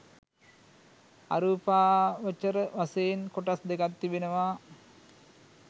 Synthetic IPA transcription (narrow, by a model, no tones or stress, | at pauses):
a̰ɾuːpaːʋət͡ʃːəɾəʋasejenkoʈasd̪ekat̪ːibenəʋaː